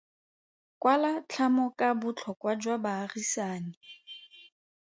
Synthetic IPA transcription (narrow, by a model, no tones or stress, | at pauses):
kʼwalat͡ɬʰamɔkʼabʊt͡ɬʰɔkwad͡ʒwabaːrisaːnɪ